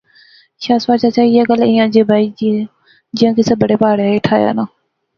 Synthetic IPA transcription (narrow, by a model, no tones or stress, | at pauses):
ʃaːsʋaːt͡ʃaːt͡ʃaːieːɡəlɪ̃jãːd͡ʒeːbʱaːiːd͡ʒie | d͡ʒɪjãːkisəbəɽeːpaːɽeːeʈʰaːja̰ːnãː